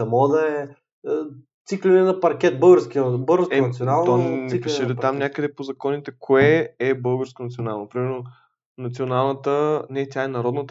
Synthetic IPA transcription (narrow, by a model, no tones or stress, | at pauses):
ɐmɔd̪ɐɛ | t̪siklʲinɛnɐpɐɾkʲɛt̪̚bɤɡəɾskʲiəbɤɡəɾsɛsionalˠnɔnɛipiʃɛlit̪amnʲakəd̪ɛpozɐkɔnit̪ɛkʰoɛɛbɤlˠɡəɾskonɐt̪sionalˠnopɾimɛɾno | nɐt̪sionalˠnət̪ənɛt̪ʲaɛnɐɾɔd̪nət̪ə